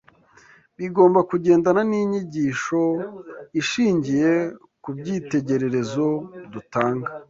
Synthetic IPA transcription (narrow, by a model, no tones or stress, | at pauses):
βiɡo̞ːmbakuɟe̞ːndananiɲiɟiːʃo̞iʃiːɲɟije̞ | kub̚ɟiːte̞ɟe̞ɾe̞ɾe̞zo̞dutaːŋɡa